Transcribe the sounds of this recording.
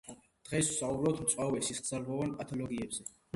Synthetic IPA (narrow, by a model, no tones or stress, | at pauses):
d̪̥ʁɛsw̥saubɾɔt̪ʰmt̪sʼwavɛsisɡ̪zalʁɔvanpʼat̪ʰɔlɔɡiɛbz̥ɛ